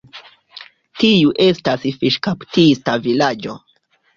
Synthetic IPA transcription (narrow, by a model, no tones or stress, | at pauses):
tiuʔe̞stasfiʃkaptistavilad͡ʒo̞